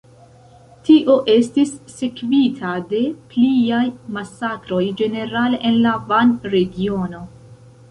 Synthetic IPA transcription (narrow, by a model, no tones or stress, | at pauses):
tiʔo̞ʔe̞stisːe̞kvitʰade̞pliajmasakɾo̞jd͡ʒe̞ne̞ɾaleʔenlavanɾe̞ɡio̞no̞